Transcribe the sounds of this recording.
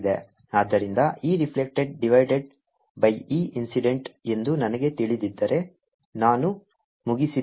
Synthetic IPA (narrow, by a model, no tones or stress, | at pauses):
d̪ḛ | aːd̪ːɐɾind̪ɐiːɾipʰlek̚ʈeɖ̚ɖiʋɐjɖeɖ | bɐjiːʔinsiɖe̞ɳʈe̞nd̪unɐnɐɡe̞t̪iɭid̪id̪ːɐɾe̞ | naːnu | muɡisi